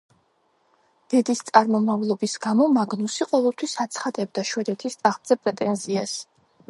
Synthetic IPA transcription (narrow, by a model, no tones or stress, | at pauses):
d̪̥ɛd̪ist̪sʼaɾmɔmavlˠɔbisɡamɔmaɡnusiqʼɔvɛlˠt̪ʰwisat̪sʰχad̪ɛb̚d̪aʃwɛd̪ɛt̪ʰist̪ʼaʁmd̪z̥ɛpʼɾɛt̪ʼɛnzias